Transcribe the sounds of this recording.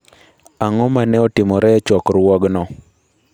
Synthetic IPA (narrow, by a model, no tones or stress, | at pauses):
aŋɔmanɛɔtɪmɔɾɛt͡ʃɔkɾwɔɡnɔ